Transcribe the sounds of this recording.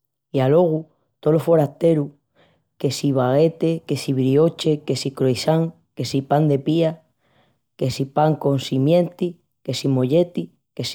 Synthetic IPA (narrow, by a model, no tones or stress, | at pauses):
ialo̞ɣ̞u | t̪olofo̞ɾaht̪e̞ɾu | ke̞siβaɣe̞t̪e̞ke̞siβɾiot͡ʃeke̞sikɾoisaŋ | ke̞sipand̪e̞pia | ke̞sipaŋko̞nsimjẽ̞nt̪i | ke̞simo̞ʎe̞t̪i | kes